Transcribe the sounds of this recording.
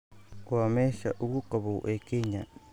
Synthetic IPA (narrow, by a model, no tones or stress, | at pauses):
oamesaʔuɡukabo̰ʔekeɲa